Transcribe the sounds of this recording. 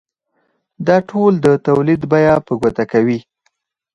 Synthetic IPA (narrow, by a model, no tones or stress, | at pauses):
d̪ɑʈʰold̪ət̪awlid̪bajɑpəɡwat̪akawi